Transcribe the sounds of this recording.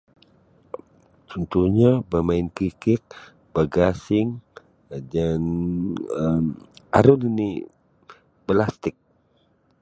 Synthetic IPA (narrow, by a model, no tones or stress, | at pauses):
t̪ɔnt̪uɲabəmaɪnkɾikɪt̪̚ | b̥əɡasɪŋ | d͡ʒan | əma̰ɾunini | bəlast̪ɪk̚